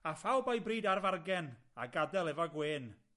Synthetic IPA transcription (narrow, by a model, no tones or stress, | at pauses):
afawˠbajbriːdarvarɡɛn | aɡadɛlˠɛvɔɡweːn